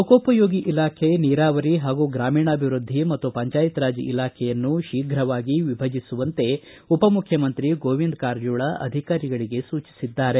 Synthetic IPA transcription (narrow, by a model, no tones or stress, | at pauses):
ukoːpɐjoːɡiʔilaːkʰeniːɾaːʋɐɾiɦaːɡuɡɾaːmiːɳɐɐbʱiʋɾud̪ʱːimɐt̪ːupɐɲt͡ʃaːjit̪ɾaːd͡ʒḭilaːkʰɛjɐnːuʃiːɡʱɾɐʋaːɡiʋibʱɐd͡ʒisuʋɐnt̪e̞ | upɐmukʰjɐmɐnt̪ɾiɡoːʋind̪kaːɾd͡ʒuːɭɐʔɐ̰d̪ʱikaːɾiɡɐɭiɡe̞suːt͡ʃi̥sid̪ːaːɾe̞